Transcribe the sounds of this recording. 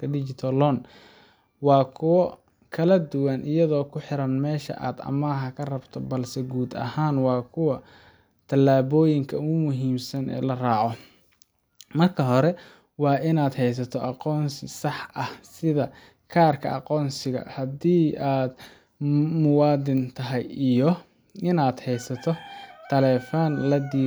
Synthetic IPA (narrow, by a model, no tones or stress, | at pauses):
kɐdɪt͡ʃɪt̪ʰɐlɔn | wɑːkʰʊwɔ | kʰɐlɐd̪ʊwɐnʔɪjɐðɔːkʰʊħɪɾɐnmɛːʃɐ̰ʔa̰ːd̪ɐ̰maːɦɐkʰɐrɐbt̪ʰɔbɐlsɛɡuːd̪ɐ̰haːnwɑːkʰʊwɐ | t̪ʰɐlːaːβɔːjɪŋkʰɐʊmʊɦiːmsɐnɛ̰ːlɐraːʕɔ | mɐrkʰɐɦɔɾɛ | wɑːʔɪnaːd̪hɛjs̬ɐt̪ʰɔʔɑqɔːnsɪsɑħʔɐhsɪðɐ | kʰaːrkʰɐ̰ɑqɔːnsɪɣɐ̰hɐd̪iːaːd̪ | mʊwɑːd̪ɪnt̪ʰɐɦɛjijɔ | ʔɪnaːd̪hɛjsɐt̪ʰɔt̪ʰɐlɛːfɐnlɐd̪iː